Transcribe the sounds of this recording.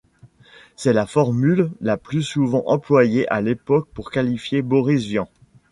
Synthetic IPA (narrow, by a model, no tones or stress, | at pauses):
sɛlafɔʁmylːaplysuvɑ̃ʔɑ̃plwajeʔalepɔk̚puʁkalifjebɔʁisvjɑ̃